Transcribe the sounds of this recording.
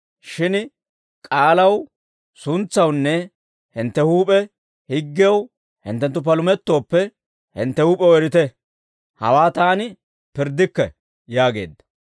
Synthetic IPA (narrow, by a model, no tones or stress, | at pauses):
ʃɪn | kʼaːlɐw | sʊnt͡sːɐwnːɛ | hɪnt̪ːɛhuːpʼɛ | hɪɡːɪɐw | hɪ̰nt̪ːɛnt̪ːʊp̬ɐlʊmɛt̪ːo̞ːpːɛ | hɪ̰nt̪ːɛhuːpʼɛwɛɾɪt̪ɛ | hɐ̰waːt̪aːnɪ | pɪɾd̪ːɪkːɛ | jaːɡe̞̰ːd̪ːɐ̥